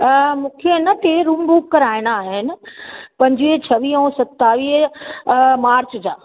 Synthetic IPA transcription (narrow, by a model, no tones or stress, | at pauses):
mũːkʰeɪnɐt̪eɾumbuːkːɐɾaːɪɽ̃aːɦɪnɪ̆pɐ̃ɲd͡ʑʋiːɦt͡ɕʰɐʋiːɦɔ̃ːsɐt̪ːaːʋiːɦ | maːɾt͡ɕd͡ʑa̰ː